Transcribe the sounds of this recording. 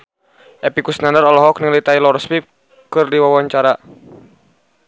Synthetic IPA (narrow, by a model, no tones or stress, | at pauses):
ʔɛpikusnandaɾɔlɔɦɔknilit̪ajlɔrspip̚ | kɨrdiwawaɲt͡ʃaɾa